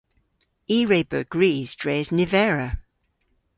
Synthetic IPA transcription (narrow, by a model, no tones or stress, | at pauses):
iːɹeɪbə̰ɡ̥ɹiːz̥d̥ɹeːznɪvɛɹə